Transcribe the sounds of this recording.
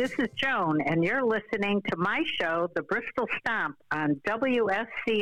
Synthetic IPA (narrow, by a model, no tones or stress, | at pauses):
ðɪsɨzd͡ʒõʊ̃nɨ̃njə˞lɪsɨnɪ̃ŋtʰɨmaɪʃoʊðɨbɹɪstl̩ˠstæ̃pn̩dʌbl̩ˠjuɛsi